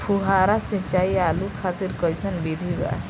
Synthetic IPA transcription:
pʰuɦaɾasĩt͡ʃaialukʰat̪iɾkɔjsənbid̪ʱiba̰

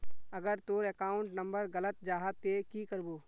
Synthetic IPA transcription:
ɐɡəɾt̪oɾeːkaːʊ̃ɳʈnə̃mbəɾɡɐlət̪̚d͡ʒaːɦət̪ːekikəɾboː

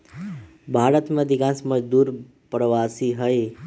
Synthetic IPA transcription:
bʱaɾət̪mãd̪iɡãsməd͡ʒd̪uɾ | pɾəʋasiɦəe

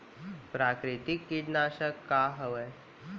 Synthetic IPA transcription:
pɾaːkɾɪt̪ikːiɖnaːʃəkːaːɦɐʋɛː

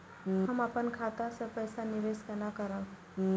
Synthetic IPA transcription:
ɦəmapənkʰaːt̪asepəɪsanɪʋeːskanakəɾã

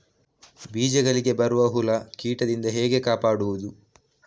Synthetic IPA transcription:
biːd͡ʒɛɡɐɭiɡe̞bɐɾuʋɐɦulɐkiːʈɐd̪ind̪ɐɦeːɡe̞kaːpaːɽuʋud̪u

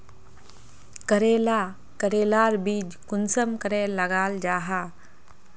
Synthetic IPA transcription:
kəɾeːla | kəɾeːlaːɾbiːd͡ʒkʊnsəmkəɾeləɡaːld͡ʒaːɦa

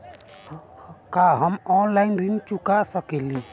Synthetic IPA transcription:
kaɦəmɔːnlaɪnɾint͡ʃukasəkeli

